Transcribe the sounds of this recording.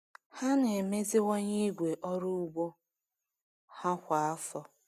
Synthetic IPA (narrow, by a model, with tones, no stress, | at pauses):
ha˦ne˨me˦zɪ˦wɔ˦ɲe˦i˦ɡʷe˨ʔɔ˦ɾu˦u˦ɡ͡bo˦ | ha˦kʷa˨a˦fɔ˦